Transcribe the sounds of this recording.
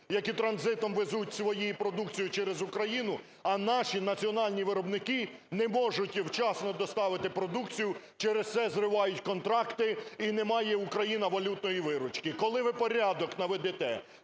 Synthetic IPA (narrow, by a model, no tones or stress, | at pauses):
jɐkʲit̪ɾɐnzɪt̪ɔmʋezutʲsʋɔjijipɾɔd̪uk̚t͡sʲijʊt͡ʃɛɾezukɾɐjinʊ | ɐnɑʃinɐt͡sʲiɔnɑlʲnʲiʋɪɾɔbnɪkɪnɛmɔʒʊtʲwt͡ʃɑsnɔd̪ɔst̪ɑʋɪt̪ɪpɾɔd̪ukt͡sʲijʊ | t͡ʃɛɾest̪sɛzrɪʋɑjʊtʲkɔnt̪ɾɑkt̪ɪinɛmɑjɛukɾɐjinɐʋɐlʲut̪nɔjiʋɪɾʊt͡ʃkɪkɔlˠɪʋɪpɔɾʲɑd̪ɔknɐʋɛd̪ɛt̪ɛ